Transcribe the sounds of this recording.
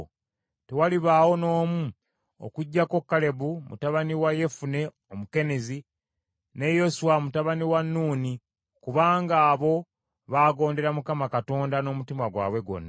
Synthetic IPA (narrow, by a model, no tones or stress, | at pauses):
tewaliβaːwo̞no̞ːmu | o̰kuɟːako̞kːale̞βumṵtaβaniwaje̞fune̞ | omuke̞nezi | ne̞jo̞suwamutaβaniwanːuːni | kuβaːŋɡaːβo̞ | βaːɡo̞ːnde̞ɾamukamakato̞ːndano̞ːmutimwaɡwa̰ːβwe̞ɡo̞̰nːa